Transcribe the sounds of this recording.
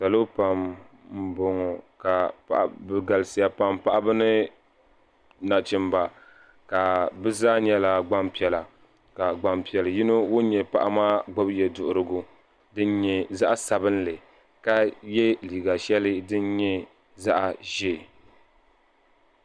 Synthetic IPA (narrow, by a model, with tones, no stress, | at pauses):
sa˨lo˦pa˨m | m̩˨bo˨ŋɔ˨ka˨pa̰˨ʔbɨ˨ɡa˨lɨ˨sɨ˨ja˨pa˨mpa˦ʔa˦bɨ˦nɨ˦ | na˨t͡ʃɪ˨mba˨ | ka˨bɨ˦zaː˦ɲɛ˦la˦ɡ͡ba˦mpi˨ɛ˨la˨ | ka˨ɡ͡ba˨mpi˨ɛ˨lɨ˨ji˦no˦wo˦ɲɛ˨pa˨ʔa˦maː˦ɡ͡bo˦bjɛ˨dʊ˨ʔʊ˨ɾɨ˨ɡʊ˨ | dɨ˦n˦ɲɛ˨za˦ʔa˦sa˨bɨ˦n˦lɨ˨ | ka˦jɛ˦liː˨ɡa˨ʃɛ˦lɨ˦dɨ˦n˦ɲɛ˦ | za˦ʔa˨ʒe˦˨